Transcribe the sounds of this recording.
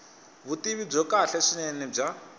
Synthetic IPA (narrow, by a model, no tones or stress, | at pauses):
βutiβib͡ʐɔkaɬɛʂinɛnɛb͡ʐa